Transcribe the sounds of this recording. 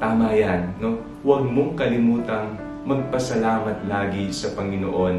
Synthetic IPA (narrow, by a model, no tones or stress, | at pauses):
t̪aːmɐjanːo̞ | wɐɡ̚moŋkɐlɪmuːt̪ɐŋ | mɐɡ̚pɐsɐlaːmɐt̪̚laːɡɪsɐpɐŋɪno̰ʔo̞n